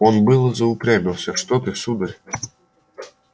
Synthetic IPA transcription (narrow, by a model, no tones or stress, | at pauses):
onbɨlˠəzɐʊpɾʲæbʲɪlˠsʲəʂt̪ot̪ɨsud̪ɐɾʲ